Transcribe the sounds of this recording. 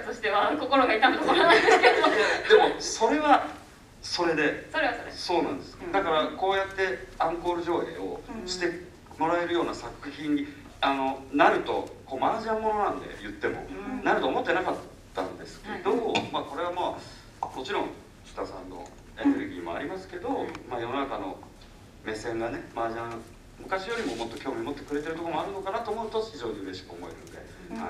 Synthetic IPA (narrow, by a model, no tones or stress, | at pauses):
t̪oɕi̥t̪e̞βako̞koɾoɡait̪ãnd̪k̪ooaneed̪e̞moso̞ɾe̞βa | so̞ɾe̞d̪e̞soɾeaso̞ːnã̰nd̪e̞sɨ̥d̪akaɾako̞ːjat̪ːe̞ãŋko̞ːɾɯ̟ʑo̞ːhḛːo̞̰ɕi̥t̪e̞ | mo̞ɾae̞ɾɯ̟jo̞ːnasakɯ̟çĩɲ̟ːi | ano̞naɾɯ̟t̪o̞̰ko̞ːmaaʑinamo̞no̞nãnd̪e̞̰jɯ̟t̪ːe̞mo̞̰naɾɯ̟t̪o̞ːmot̪ːe̞nakat̪ːã̰nd̪e̞sɨ̥ked̪o̞maːko̞ɾe̞β̞amaː | mo̞t͡ɕiɾõ̞ŋ | çɯ̥t̪asã̰nːo̰ | e̞ne̞ɾɯ̟ɡʲiːmo̞̰a̰ɾʲimasɨ̥ke̞d̪o̞maːjo̞no̞nakano̞̰ | me̞sẽ̞ŋɡane̞maːʑã | mɯ̟kaɕijo̞ɾʲimo̞mo̞t̪ːo̞kʲo̞ːmiomo̞t̪ːe̞kɯ̟ɾe̞t̪e̞ɾɯ̟t̪okomo̞aɾɯ̟no̞kanat̪oːmoɯ̟t̪o̞çiʑo̞ːɲiɯ̟ɾeɕi̥kɯ̟omo̞e̞̰ɾɯ̟̰̃nod̪e̞̰ | ha̰